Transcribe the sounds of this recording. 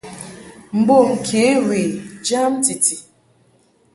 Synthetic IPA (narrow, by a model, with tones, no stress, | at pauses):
m̩˨ɡ͡bo˦˨ŋ̩˨kʰe˨˦we˨d͡ʒa˦m̩˦ti˨ti˨